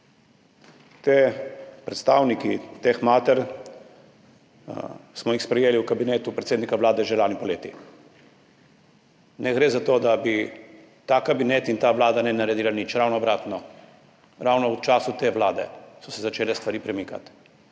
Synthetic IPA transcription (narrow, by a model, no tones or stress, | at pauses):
t̪epɾɛt̪st̪aːwnikit̪exmaːt̪ɛɾ | smɔjixspɾɛjeːliwkabineːt̪upɾɛt̪seːd̪nikaʋlaːd̪ɛʒelaːnipɔleːt̪i | nɛɡɾeːzat̪oːd̪abi | t̪aːkabinet̪int̪aːʋlaːd̪anɛnaɾɛd̪iːlanit͡ʃɾawnɔbɾaːt̪nɔ | ɾawnɔwt͡ʃaːsut̪eːʋlaːd̪ɛ̰sɔsɛzat͡ʃeːlɛst̪ʋaɾiːpɾɛmiːka̰t̪